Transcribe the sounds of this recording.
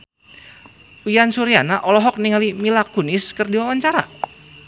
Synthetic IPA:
ujansuɾianaʔɔlɔɦɔk̚niŋalimilakunɪskɨrdiwawaɲt͡ʃaɾa̰

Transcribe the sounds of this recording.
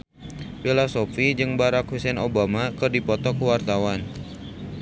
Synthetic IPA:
filɔsofid͡ʒɨŋbaɾakhusɛnobamakɨrdipɔt̪ɔkuwart̪awan

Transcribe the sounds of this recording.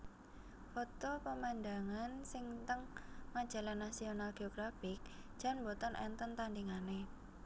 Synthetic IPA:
fot̪opəmand̪aŋansɪŋt̪əŋːad̥ʒ̥a̤lanːasionalɡ̥eoɡ̥ɾafɪk̚ʒ̥a̤nbot̪ənʔɛ̰nt̪ənt̪andiŋane

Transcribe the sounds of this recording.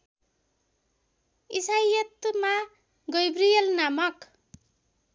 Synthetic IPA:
isajʌt̪ma | ɡʌjbrijʌlnamʌk

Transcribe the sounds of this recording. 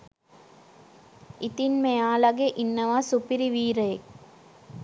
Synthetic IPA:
it̪inmejaːlɐɡeʔinːɐʋasupiɾiʋiːɾɐjk

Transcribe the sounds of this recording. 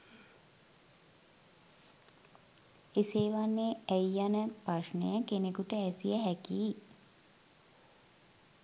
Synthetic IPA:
eseːʋanːeæjːanəpraʂnə̰jəkenekuʈəæsijəɦækiː

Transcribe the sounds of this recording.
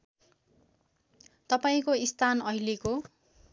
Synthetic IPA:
t̪ʌpaĩkoist̪ʰanʌɦileko

